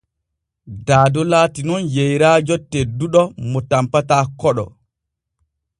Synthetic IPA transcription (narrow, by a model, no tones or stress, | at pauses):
daːdɔlaːtinɔnjejɾaːd͡ʒɔtːeduɗɔmɔtampataːkɔɗɔ̰